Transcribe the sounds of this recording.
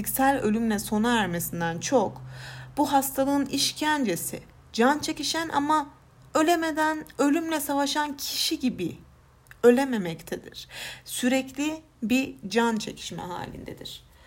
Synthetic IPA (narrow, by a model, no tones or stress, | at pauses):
icsælʲølʲymlʲɛso̞naæɾme̞sind̪ænt͡ʃʰokb̥uɦast̪ʰalˠɯːniʃcʰænd͡ʒe̞sɪ̰ | d͡ʒant͡ʃʰe̞ciʃænʔa̰ma | ø̞lʲemed̪ænø̞lʲymlʲɛsavaʃancʰi̥ʃiɟibi | ø̞lʲeme̞mɛct̪ʰɛd̪ḭɾ̥syɾɛclʲi | bid͡ʒant͡ʃʰe̞̰cʰi̥ʃmɛ̰ɦa̰ːlʲḭnd̪ḛd̪iɾ̝̥